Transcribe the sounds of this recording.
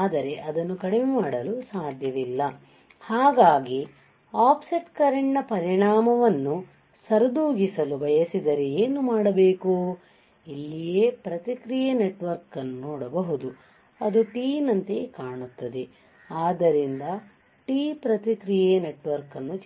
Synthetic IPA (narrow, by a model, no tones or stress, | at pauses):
aːd̪ɐɾe̞ʔɐd̪ɐnːukɐɽememaːɽɐlusaːd̪ʱjɐʋilːɐ | haːɡaːɡi | aːpsiʈkɐɾeɳʈnɐpɐɾiɳaːmɐʋɐnːu | sɐɾɐd̪uːɡisɐlubɐjɐsid̪ɐɾeeːnumaːɽɐbe̞ːku | ilːijeːpɾɐt̪ikɾijeneʈʋɐɾkɐnːunɔːɽɐbɐɦud̪u | ɐd̪uʈiːnɐnt̪ekaːɳut̪ːɐd̪e̞ | aːd̪ɐɾind̪ɐ | ʈiːpɾɐt̪ikɾijene̞ʈʋɐɾkɐnːut͡ʃ